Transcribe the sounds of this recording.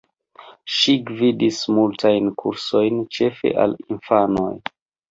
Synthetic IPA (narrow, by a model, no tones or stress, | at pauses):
ʃiɡvidismultʰajnkʰuɾso̞jnt͡ʃe̞fe̞̰ʔa̰linfano̞j